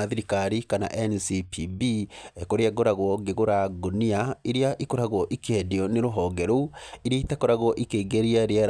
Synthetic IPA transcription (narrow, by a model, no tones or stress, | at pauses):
aðiɾikaɾikana̰ʔɛnsipʰibiekoɾeaɣoɾaɣwɔɡeɣoɾaɡoniaiɾeaʔikoɾaɣwɔʔikɛdeɔneɾoɦɔːɡɛɾoiɾeitakoɾaɣwɔʔikeːɡeɾiaɾeaɾ